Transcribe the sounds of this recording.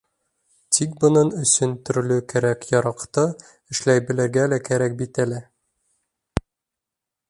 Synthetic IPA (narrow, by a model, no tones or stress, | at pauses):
t̪ʰikbɤ̆nɤnɵ̆sɵnt̪ɵ̆ɾlɵkæɾækjɒɾɑqt̪ɤ | ɘ̆ʃlæjbɘ̆læ̆ɾɡælækæɾæk̚bit̪ælɘ